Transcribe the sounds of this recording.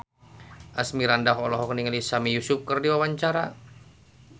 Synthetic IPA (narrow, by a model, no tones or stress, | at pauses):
ʔasmiɾandaɦɔlɔɦɔkniŋalisamijusʊp̚kərdiwawaɲt͡ʃaɾa